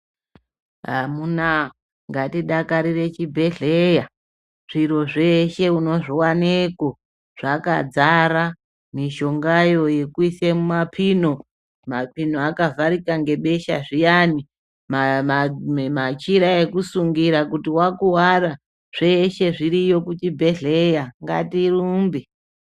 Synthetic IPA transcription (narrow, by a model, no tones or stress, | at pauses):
ɦamuna | ŋɡatiɗakaɾire̞t͡ʃibʱe̞ɮeja | ʐ̥iɾo̞ʐe̞ʃe̞uno̞ʐiwaneko̞ | ʐ̥aka̰d͡zaɾa | miʃo̞ŋɡajo̞je̞kuisemumapʰino̞ | mapinoakavaɾikaŋɡe̞ɓe̞ʃa̰ʐijani | maamat͡ʃiɾae̞kusuŋɡiɾakutiwakuwaɾa | ʐ̥e̞ʃe̞ʐiɾijo̞kut͡ʃibʱe̞ɮejaŋɡa̰tiruːmbi